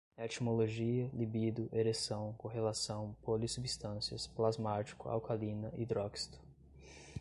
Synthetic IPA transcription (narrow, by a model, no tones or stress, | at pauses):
et͡ʃimoloʒiɐlibid̪ʊʔeɾesɐ̃w̃kõɦelasɐ̃w̃polisubist̪ɐ̃siɐsplazmat͡ʃi̥kʊa̰wkʰalĩnɐʔid̪ɾɔkst̪ʊ̥